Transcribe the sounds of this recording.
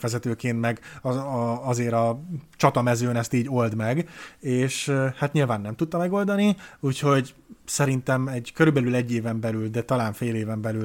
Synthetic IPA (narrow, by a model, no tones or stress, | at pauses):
fɛzɛt̪øːkeːnt̪mɛɡɒɒzeːɾɒt͡ʃɒt̪ɒmɛzøːnɛst̪iːɟo̞ld̪mɛɡeːʃhat̪ɲilvaːnːɛmt̪ut̪ːɒmɛɡo̞ld̪ɒniuːcho̞ɟsɛɾint̪ɛmɛɟkø̞ɾybɛlylɛɟːeːvɛmbɛlyld̪ɛt̪ɒlaːɱfeːleːvɛmbɛly